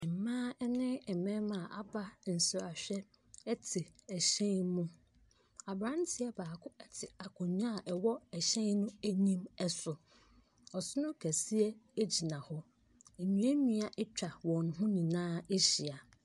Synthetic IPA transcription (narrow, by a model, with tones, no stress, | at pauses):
m̩˨mãː˦ɛ˦nɪ̃˦ɛ˨mɛ̃˦mã˨ʔa˨ba˦n̩˨sʊ˨a˨ɕᶣɛ˦ | ɛ˦tʰɪ˨æ˨ɕɛ̃˦mũ˦ | a˨bɾã˦n˦tʰɪ˦ɛ˦baː˨kʰʊ˦ɛ˦tʰɪ˨a˨kʰʊ̃˨ɲ˦ã˦˨ʔɛ˨wɔ˦ɛ˨ɕɛ̃˦nnʊ̃˦æ˦ɲĩ˦mɛ˦sʊ˨ | ɔ˨sʊ˦nʊ̃˦kʰæ˨si˦ɛ˦e˦d͡ʑi˨nã˨hɔ˦ | e˨mĩ˨˦e˦nĩ˦a˦˨ʔɪ˦t͡ɕᶣa˨wɔ̃˨n˨ɦʊ̃˦nĩ˨nãː˦e˦ɕi˨a˨